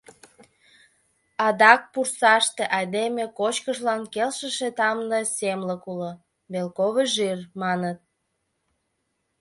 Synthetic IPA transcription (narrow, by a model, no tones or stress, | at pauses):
ɑd̪ɑk̚pursɑʃt̪eʔɑjd̪emekot͡ɕkəʃlɑnkelʃəʃet̪ɑmnəsemləkulo | βelkoβeʒyrmɑnət̪̚